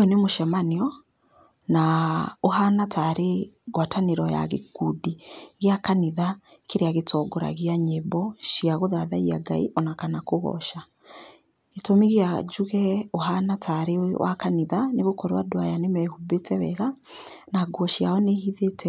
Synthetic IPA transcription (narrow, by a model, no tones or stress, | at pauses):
ɔnemoʃɛmaniɔ | naoɦanatʰaɾeɣwataneɾɔja̰ɣekudiɣeakaniða | keɾeaɣetʰɔɡɔɾa̰ɣeaɲebɔʃiaɣoðaðaia̰ɡa̰ḭʔɔnakanakoɣɔ̰ʃa | etomiɣjad͡ʒuɣɛoɦanatʰaɾewʔa̰kaniðaneɣokɔɾwadowajanemɛhubetʰɛβɛɣa | naɡwɔʃjaɔnehiðetʰɛ